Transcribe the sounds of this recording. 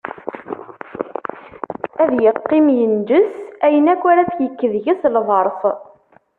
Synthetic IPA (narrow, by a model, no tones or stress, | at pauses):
æðjəqːɪmjənd͡ʒəsæjənækʷːæɾæt͡sçəkːəðʝæslðˤəɾˤθ